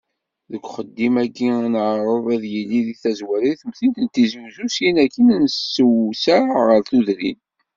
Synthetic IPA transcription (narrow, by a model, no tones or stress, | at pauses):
ðəkʷːχəd̪ːimæɡːiænʕəɾˤovˤæðjilːiðiθæzwæɾiθəmθint̪ənt̪izuwzusjinækːənnsəwsæɾʁəɾθuðɾḭn